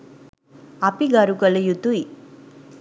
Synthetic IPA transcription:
apiɡaɾukɐlejut̪ui

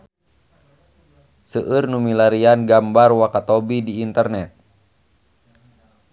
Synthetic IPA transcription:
səʔɨrnumilaɾianɡambarwakat̪ɔbidiːnt̪ərnɛt̪̚

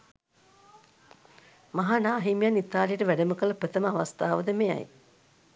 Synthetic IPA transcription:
maɦanaːɦimjanit̪aːlijəʈəʋæɖəməkəlɐpɾət̪əməaʋast̪aːʋəd̪əmea̰j

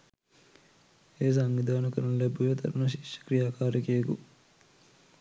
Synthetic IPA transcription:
eːs̬aŋʋid̪aːnɐkɐɾɐnɐlebujet̪ɐ̰ɾɐnɐʃ̬i̥kʃɐ̥kɾijaːkaːɾikeeɡṵ

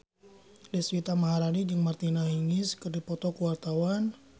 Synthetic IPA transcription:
dɛswit̪amaɦaɾanid͡ʒəŋmart̪inaɦiŋiskɨrdipɔt̪ɔkəwart̪awan

